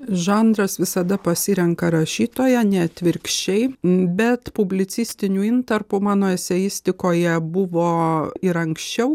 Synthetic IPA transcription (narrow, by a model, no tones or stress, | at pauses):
ʒɑːnd̪ɾɐsʋʲɪsɐd̪ɐpɐsʲɪɾʲɛŋkɐɾɐʃʲiːt̪oːjɛnʲɛt̪ʲʋʲɪɾʲkʃʲt͡ʃʲɛɪbʲɛt̪pʊbʲlʲɪt̪sʲɪsʲt̪ʲɪnʲuːɪnt̪ɐɾpʊmɑːnoːɛsʲɛjɪsʲt̪ʲɪkoːjɛbʊʋoːɪɾɐŋksʲt͡ʃʲɛʊ